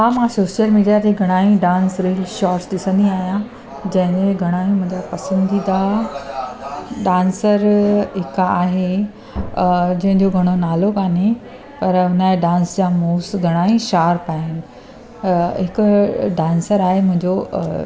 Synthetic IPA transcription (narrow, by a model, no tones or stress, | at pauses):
aːmãsoːʃijəlmiːɖijat̪eɡʱɐɽ̃aːĩɖãːnsɾeːlʃaːɾsɗɪsə̃nd̪iaːɦijã | d͡ʑɐ̃ɦɪ̃ẽɡʱɐɽ̃aːĩmʊ̃ɦɪ̃ɲd͡ʑapɐsə̃nd̪id̪a | ɖãːnsəɾɦɪkaːɦe | d͡ʑɐ̃ɦɪ̃ɲd͡ʑoɡʱɐɽ̃onaːlokaːnẽ | pɐɾʊnəeɖãːnsd͡ʑamoːsɡʱɐɽ̃aːĩʃaːɾpaːɪnɪ̆ | ɦɪkʊɖãːnsəɾaːɦemʊ̃ɦɪ̃ɲd͡ʑo